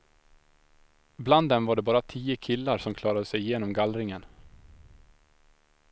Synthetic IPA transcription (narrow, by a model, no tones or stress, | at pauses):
bland̪ːɛmvaɖɛbɑːɾat̪ʰiːəkʰɪlːaɾsɔmkʰlɑːɾad̪əsɛjɪjeːnɔmɡalɾɪŋən